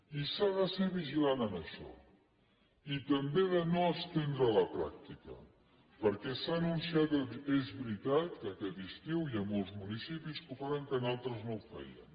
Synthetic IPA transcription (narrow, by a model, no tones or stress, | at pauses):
isaðəsɛβ̞iʒilanənəʃɔ̰ | it̪əmbeðənoəst̪end̪ɾələpɾa̰k̚t̪ikə̰ | pəɾkɛsaːnunsiat̪ezβɾit̪at̪̚kəkɛt̪ist̪iwiəmolˠzmunisipiskufaɾəŋkənalˠt̪ɾəznowfɛ̰jə̰n